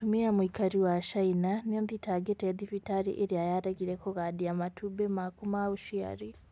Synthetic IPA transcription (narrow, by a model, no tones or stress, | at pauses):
tumiamwiːkaɾiwaʃainanonditaɡeteðifitaɾḭʔeɾiajaɾaɡiɾekoɣadiamatʰubemakumauʃia̰ɾi